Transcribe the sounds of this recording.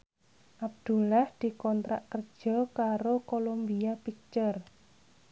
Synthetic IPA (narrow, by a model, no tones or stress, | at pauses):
ʔab̚d̪̥ṳlahd̪̥i̤kɔnt̪ɾa̰ʔkərd̥ʒ̥ɔ̤kaɾokolombiapik̚t͡ʃər